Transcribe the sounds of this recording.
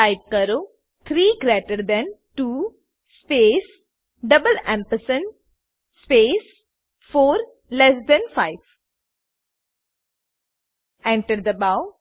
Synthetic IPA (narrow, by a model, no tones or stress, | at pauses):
aɪp̚kəɾoː | t̪ʰɾiːɡɾeːʈəɾd̪ɛ̃nʈuː | speːs | ɖʌbəlɛ̃mpəsə̃n | speːs | foːɾ | lɛs̬d̪ɛ̃nfaɪʋ | ɛ̃ɳʈəɾd̪əbaʊ